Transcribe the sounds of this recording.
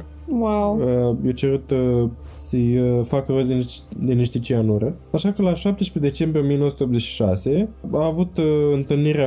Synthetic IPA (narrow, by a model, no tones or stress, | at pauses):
wawəjot͡ʃeɾut̪ | səjfakərozʲid̪iniʃt̪it͡ʃijaɨnuɾə | aʃakəlaʃap̚t̪eʃped̪e̞t͡ʃe̞mbɾʲijomijenoəsu̥t̪eop̪ze̞t͡ʃʃi̥ʃase̞aːvut̪ɨnt̪ɨlniɾea